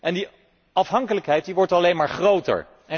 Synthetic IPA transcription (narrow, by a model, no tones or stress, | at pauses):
ʔɛndi | ɑfɦɑŋkələkɦɛjt̚diʋɔɹtɑlejnmaːɹχrowtə̰ɹ | ɛ